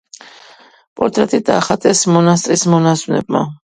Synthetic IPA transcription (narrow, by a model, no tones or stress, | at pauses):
pʼɔɾt̪ʼɾɛt̪ʼid̪aːχat̪ʼɛsmɔnast̪ʼɾismɔnasvunɛ̰bma̰